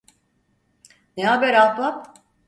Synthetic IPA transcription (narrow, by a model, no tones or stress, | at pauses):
neɦabæɾalbap̚